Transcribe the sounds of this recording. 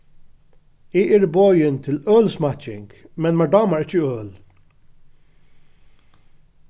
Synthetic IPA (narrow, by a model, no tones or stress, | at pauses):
ɪɛɹbɔːjənt̪ʰɪlœːlsmɑt͡ʃɪŋkmɛnmæd̪ɑːmaɹɪt͡ʃəœːl